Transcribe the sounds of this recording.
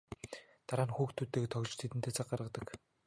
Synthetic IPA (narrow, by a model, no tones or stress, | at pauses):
t̪aɾaːnxuːxt̪ʰut̪eːkt̪ʰɔɣʲt͡ɕt̪ʰet̪ɘ̆nt̪ʰeːt͡sʰaq̚ɢaɾə̆qt̪ə̆k